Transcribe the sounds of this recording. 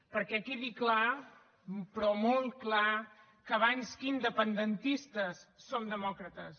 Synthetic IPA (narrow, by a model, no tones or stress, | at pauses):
pəɾkɛkeðikla | pɾɔmolˠt̪kla | kəβaɲskind̪əpənd̪ənt̪ist̪əsːomd̪əmɔkɾət̪əs